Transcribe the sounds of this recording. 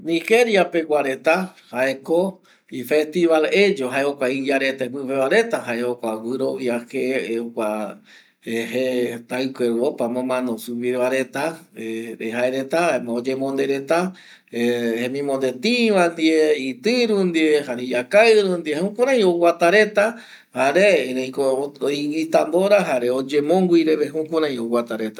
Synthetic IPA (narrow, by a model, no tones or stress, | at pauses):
nĩxe̞ɾjape̞ɡʷaɾet̪ahae̞ko | ife̞st̪iβale̞d͡ʒoɦaeokʷaid͡ʒaɾet̪epɨpeβaɾe̞t̪aɦaeokʷawɨɾoiaheokʷa | ehet̪aɨkʷeɾβopamõmãnõsuβiɾβaɾe̞t̪aeɾeɦaeɾe̞t̪aaemẽod͡ʒemõnd̪eɾet̪a | ehẽmĩmõnd̪e̞t̪ĩʋand̪ieit̪ɨɾũnd̪iehaɾijakaɾũnd̪iehũkũɾ̃ãj̃owat̪aɾet̪a | haɾeɾejkoiwit̪amboɾaɦaɾeod͡ʒẽmõŋɡʷiɾeβeɦukũɾãj̃owat̪aɾe̞t̪ḁ